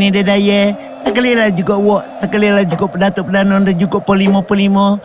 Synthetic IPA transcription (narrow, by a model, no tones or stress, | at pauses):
nidɛdajɛ | sakəlilad͡ʒuɡɔʔwɔʔsakəlilad͡ʒuɡɔʔpədat̪upədanɔndəd͡ʒuɡɔʔpəlimɔpəlimɔ